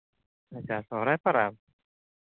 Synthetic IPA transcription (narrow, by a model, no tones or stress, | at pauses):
at͡ɕasɔɾapaɾap̚